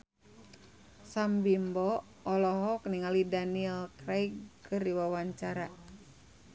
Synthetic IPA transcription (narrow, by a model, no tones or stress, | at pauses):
sambimbɔː | lɔɦɔkniŋalidaniɛlkɾajɡkɨrdiwawaɲt͡ʃaɾa